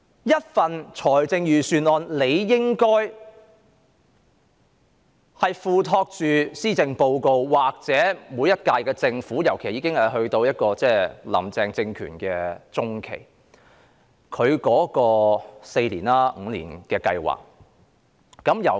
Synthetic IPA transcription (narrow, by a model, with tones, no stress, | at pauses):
jɐ˥t̚fɐ˨nt͡ʃʰɔː˨˩jt͡sɪ˧ŋjyː˨˩syː˨nɔː˨˧nle˨˧jːɪ˥ŋkɔː˥j | hɐ˨jfuː˨˧t̪ʰɔː˧k̚t͡ʃyː˨siː˥t͡sɪ˧ŋpo˧wko˧wwaː˨k̚t͡sɛː˨˥muː˨˧jɐ˥t̚kaː˧jkɛː˧t͡sɪ˧ŋfuː˨˥jɐ˨˩wkʰe˨˩jiː˨˧kɪ˥ŋhɐ˨˩jɦɵ˧ɥt̪o˧wjɐ˥t̚kɔː˧t͡sɛː˥˩lɐ̰˨˩mt͡sɛː˧ŋt͡sɪ˧ŋkʰy̰ː˨˩nkɛː˧t͡sʊ˥ŋkʰḛ˨˩j | kʰɵ˨˧ɥkɔː˨˥kɔː˧se˧jliː˨˩naː˥ŋ̩ː˨˧lḭː˨˩nkɛː˧kɐ̰˧jwa̰ː˨k̚ | ɐ˨˧˥mjɐ˨˩w